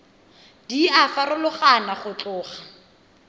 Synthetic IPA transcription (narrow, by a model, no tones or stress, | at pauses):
d̥iafarʊlʊχanaχʊt͡ɬʼʊːχa